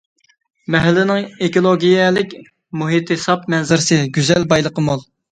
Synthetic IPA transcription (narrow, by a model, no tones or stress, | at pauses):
mɛɦælːɪnɪŋekolˠoɡʲijɛlɪkʲ | muɦit̪hɪsɑp̚mɛnzɪɾsɨɡʲyzɛlbɑjlˠəqəmolˠ